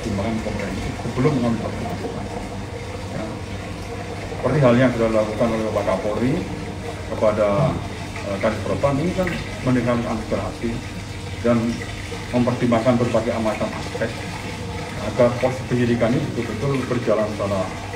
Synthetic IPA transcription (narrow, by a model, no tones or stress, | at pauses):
t̪imbakankɔmpɾɛnsisəbəlʊmːəŋamipərt̪imak̪ka̰ | ja̰ | səpərt̪iɦaljaŋkitadilakukanolɛɦopakapoɾi | kəpada | ʔəkaɾispɾot̪aninikan | mənikalinanut̪ərɦasti | dan | məmpərt̪imakanbərbaɡaamat̪ana̰spɛk̚ | aɡarpɔspənidikanibit̪ubət̪ʊlbərd͡ʒalansala